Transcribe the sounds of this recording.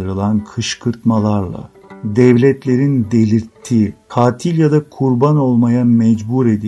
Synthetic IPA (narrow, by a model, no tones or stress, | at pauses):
ɯɾɯlˠankʰɯʃkʰɯɾt̪malˠaɾlˠa̰ | d̪ɛvlʲɛt̪lʲe̞ɾind̪elʲiɾt̪ʰːiːkʰaːt̪ʰilʲjad̪akʰuɾbano̞lˠmajamɛd͡ʒbuɾe̞d̪i